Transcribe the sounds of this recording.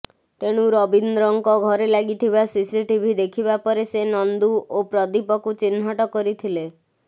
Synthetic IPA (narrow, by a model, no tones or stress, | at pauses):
t̪eɽ̃uɾɔbind̪ɾɔŋkɔɡʱɔɾelaɡit̪ʰibasisiʈibʱid̪ekʰibapɔɾesenɔnd̪uʔopɾɔd̪ipɔkut͡ʃin̤ɦɔʈɔkɔɾit̪ʰile